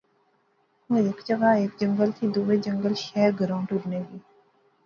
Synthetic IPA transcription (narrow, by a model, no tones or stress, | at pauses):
ɦũeːkd͡ʒəɡaːeːkd͡ʒəŋɡəlt̪ʰiːd̪uʋed͡ʒəŋɡəlʃɛɾɡəɾãːɳʈuɾneːɡiː